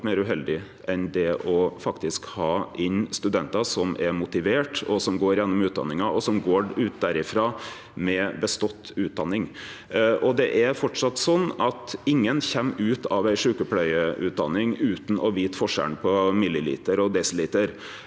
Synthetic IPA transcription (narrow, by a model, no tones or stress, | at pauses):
meːɾʉɦɛld̪ɪ | ʔɛnd̪ɛʔɔfɑkt̪ɪskhɑːʔɪnst̪ʉd̪ɛnt̪ɑsɔmɛɾmʊt̪ɪʋeːʈɔsɔmɡoːɾjɛnːɔmʉːt̪̚d̪ɑ̰nːɪŋɑɔsɔmɡoːʉːt̪̚d̪æɾɪfɾɑː | mɛbəst̪ɔt̪ːʉːt̪̚d̪ɑnːɪŋ | ʔɔd̪ɛʔæɾfɔʈʂɑt̪ːsɔnːɑt̪ɪŋːənçɛmːʉːt̪ʰɑʋæɪʂʉːkəpʰlœʏəʉːt̪̚d̪ɑ̰nːɪŋʉːt̪n̩ʔɔʋiːt̪fɔʂæ̰ɳpʰɔmɪlːɪlḭːt̪əɾɔd̪ɛsliːt̪əɾ